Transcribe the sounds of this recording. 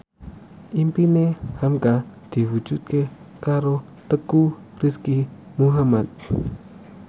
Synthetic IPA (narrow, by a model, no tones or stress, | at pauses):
ʔimpinehamkad̪̥i̤wu̥d͡ʒ̥ut̪̚ke | kaɾo | t̪əkuriskimuɦamat̪̚